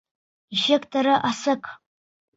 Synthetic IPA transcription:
iʃekʼtʰoɾɨʔasɨkʰʼ

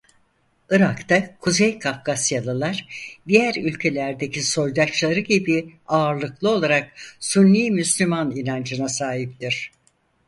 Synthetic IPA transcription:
ɯɾakt̪ʰakʰuzejkʰafkasjalˠɯlˠaɾ̥d̪ijæɾylʲcʰe̞lʲæɾd̪e̞cʰiso̞jd̪at͡ʃlˠaɾɯɟibiaːɾlˠɯklˠɯo̞lˠaɾak̚sunːiːmyslʲymaninand͡ʒɯnasaːɦip̚t̪iɾ̥

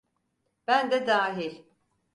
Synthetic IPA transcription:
b̥ænd̪ɛd̪aːɦiɾ

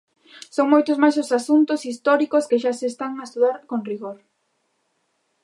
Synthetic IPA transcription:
soŋmojt̪ʊzmajsʊsasunt̪ʊsist̪ɔɾikoskeʃaseːst̪aŋaest̪uðaɾkoŋriɣoɾ

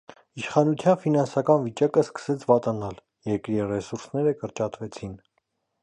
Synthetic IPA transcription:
iʃχɑnut͡sʰjɑnfinɑnsɑkɑnvit͡ʃɑkəskə̥sɛt͡sʰvɑt̪ɑnɑl | jɛɾkɾirɛsuɾsnɛɾəkəɾt͡ʃɑt̪vɛt͡sʰin

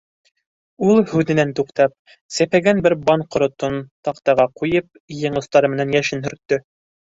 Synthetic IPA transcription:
ulˠhʉðɘ̆nænt̪uqt̪ɑp̚ | sæpæɡænbɘɾbɑɴqŏɾŏt̪ont̪ɑqt̪ɑʁɑqujɤp̚jɤ̆ɴɤ̆st̪ɑɾɤmɘ̆nænjæʃɘnɦɵ̆ɾt̪ːɵ

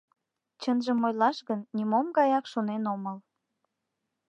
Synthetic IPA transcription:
t͡ɕənʒəmojlɑʃɣənːʲimomɡɑjɑkʃonenoməl

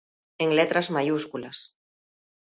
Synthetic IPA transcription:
eŋlet̪ɾazmajuskulas

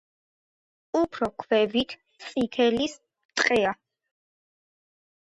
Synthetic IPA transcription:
upʰɾɔkʰvɛvit̪ʰ | t̪sʼit̪ʰɛlis | t̪ʼqʼɛa

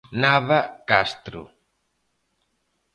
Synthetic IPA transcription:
naβakast̪ɾṵ

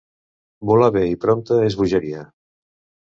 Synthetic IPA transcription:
bɔlaβeipɾɔmt̪əezβuʒəɾia

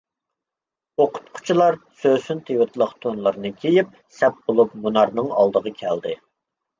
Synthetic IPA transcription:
oqʊ̥t̪̚qʰʊ̥t͡ʃʰilˠɑɾsøsynt̪ʰewɨt̪lˠəqt̪ʰonlˠəɾɨnɨkʲʰejip̚ | sɛp̚bolˠup̚munɑɾnɨŋɑ̰lˠd̪əʁɑkʲʰɛld̪ɪ

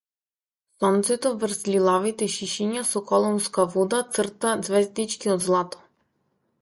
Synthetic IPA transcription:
sɔnt̪sɛt̪ɔvr̩zlilˠavit̪ɛʃiʃiɲasɔkɔlˠɔmskavud̪at̪sr̩t̪ad̪zvɛzd̪it͡ʃkiɔd̪zlˠat̪ɔ̥

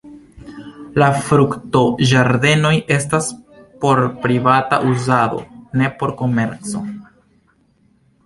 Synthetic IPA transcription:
lafɾukto̞ʒaɾde̞no̞jʔe̞staspo̞ɾpɾivata̰ʔuzado̰ne̞po̞ɾko̞me̞ɾt͡so̞̰

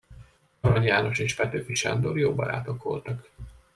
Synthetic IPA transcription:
ɒɾɒɲjaːno̞ʃeːʃfɛt̪øːfiʃa̰nd̪orjoːbɒɾa̰ːt̪o̞kʋo̞̰lt̪ɒk

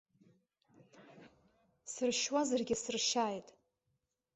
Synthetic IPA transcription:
sɨrʃwazarɡʲɪsɨrʃaːjtʼ

